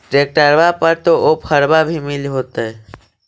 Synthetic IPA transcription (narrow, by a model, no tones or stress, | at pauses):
ʈɾek̚ʈəɾbapəɾt̪oʔopʰəɾbabʱimiliɦot̪ə